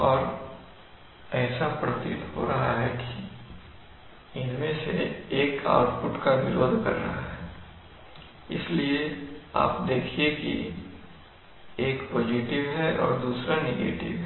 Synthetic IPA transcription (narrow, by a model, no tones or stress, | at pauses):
ɔːɾ | ɛːsapɾɐt̪ɪt̪ɦo̰ɾɐɦaɦɛki | ɪnmẽseeːka̰ːʊʈ̚pʊʈkaʋɪɾoːd̪ʱkɐ̰ɾːɐ̰ɦaɦɛː | ɪ̰sliea̰ːpd̪eːkʰiekḭ | eːkpoːd͡ʒiʈɪʋɦɛʔɔːɾd̪uːsɾaneɡḛːʈɪ̰ʋɦɛ